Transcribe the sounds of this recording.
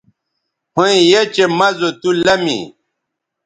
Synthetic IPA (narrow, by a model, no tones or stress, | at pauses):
hõĩjet͡ɕemɐzot̪ulɐmḭ